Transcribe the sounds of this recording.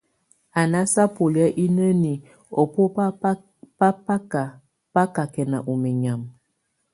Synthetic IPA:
a˨na˦sa˦po˨li˨˦a˦ʔi˦nə˦ni˨ | ɔ˨po˦ | pa˦pa˦a˨ | pa˦ka˨kɛ˨na̰˨ʔu˨mi˨ɲa˨m

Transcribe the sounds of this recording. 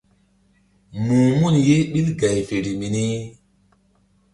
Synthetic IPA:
mũː˨mu˦˨nje˦ɓi˦lɡa˨jfe˨ɾi˨mi˨ni˦

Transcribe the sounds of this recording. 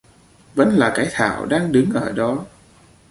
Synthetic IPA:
və̰˧˥nlaː˨˩kaː˨˦jt̪ʰa̰ː˧˩˨wɗaː˧ŋɗɨ˨˦ŋʔəː˧˩ɗɔ˨˦

